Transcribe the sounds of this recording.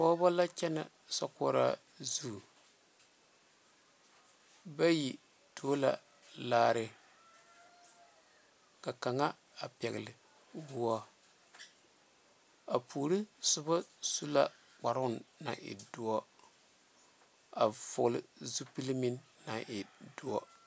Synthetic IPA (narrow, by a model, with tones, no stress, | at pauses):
pɔ˦ba˦la˦t͡ʃɛ˦na̰˨ | sɔ̰˦kɔ˦ɾa̰˦ | zu˦˨ | ba˦ji˨ | tʰo˨˦la̰˨ | laː˦ɾɪ˨ | ka˨ka˨ŋa˦ | a˨pɛ˨ɣɪ˨lɪ˨ | wʊ˨ɔ˦ | a˨pʰuː˨ɾi˦sʊ˦ba˦su˦la˦ | k͡pa˨ɾʊ˦˨nna̰˨ʔɪ̰˨du˨ɔ˦ | a˨vʊ˨lɪ˦zu˦pi˦lmi˦nːa˨ʔɪ˨dʊ˨˦ɔ˦